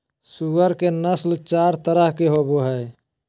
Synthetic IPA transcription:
suəɾkenəslt͡ʃaːɾt̪əɾəɦkeɦoboɦəe

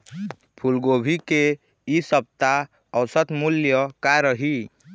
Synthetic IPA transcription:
pʰulɡobʱike | isəb̚t̪a | əwsət̪muljəkaɾəɦi

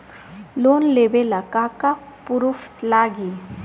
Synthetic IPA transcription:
lonleʋelakaka | puɾuft̪laɡi

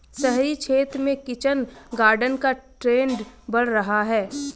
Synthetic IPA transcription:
səɦɾit͡ʃʰeːt̪ɾmẽkɪt͡ʃənɡaːɾɖənkaʈɾeːnɖbɐɽɾɐɦaɦɛː

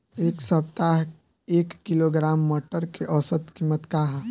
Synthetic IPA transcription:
eːksəb̚t̪aɦ | eːkːiloɡɾaːmːɔːʈəɾkeʔɔːsət̪kimət̪kaɦ

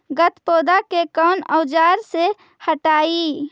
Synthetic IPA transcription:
ɡət̪poːd̪akekəːnəwd͡ʒaːɾse | həʈaːi

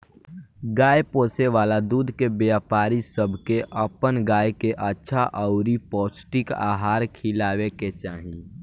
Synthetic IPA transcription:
ɡaːjpoːseʋaːlad̪uːd̪ʱkebjaːpaːɾisəbʱkeʔəpənɡaːjkeʔətːʃʰaʔəʊɾipɔːsʈɪka̰ːɦaːɾkʰɪlaːweket͡ʃaːɦĩ

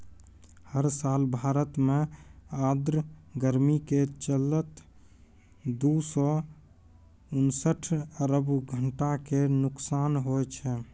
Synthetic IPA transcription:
həɾsalbʱaːɾət̪mead̪ɾɡəɾmiket͡ʃələt̪ | d̪usɔ | unsəʈʰəɾəbɡʱəɳʈakenʊksaːnɦot͡ʃʰɛ

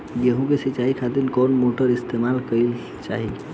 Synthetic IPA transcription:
jeɦũkesit͡ʃaɦikʰat̪inkɔnmoʈəɾist̪emalkəl | t͡ʃa̰ɦi

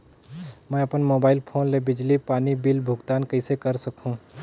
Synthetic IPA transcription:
mɛ̃ɐpənmoːbaːɪlpʰoːnlebɪd͡ʒlipaːnibiːlbʱʊɡt̪aːnkɐisekɐɾsɐkɦũː

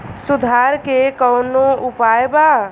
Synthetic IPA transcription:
sud̪ʱaɾkekəʊnoupaeba

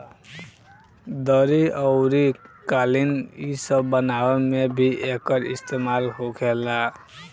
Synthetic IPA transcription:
d̪ʌɾiʔʌwɾikalinisʌbʌnawmebʱiʔekʌɾḭst̪emalɦokʰela

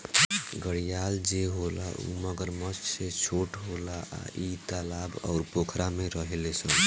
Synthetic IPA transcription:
ɡəɽijald͡ʒeɦola̰ṵməɡəɾməsset͡ʃʰoʈɦolaa̰it̪alabɔ̰ʊɾpokʰɾameɾəɦelesə̃n

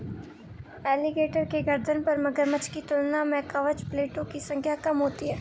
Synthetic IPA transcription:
ɛːlɪɡeːʈəɾkeɡɐɾd̪ʱənpɐɾmɐɡəɾmət͡ʃkit̪ʊlnamẽkɐʋəd͡ʒpleːʈõkisɐ̃ŋkʰjakɐmɦoːt̪iɦɛː

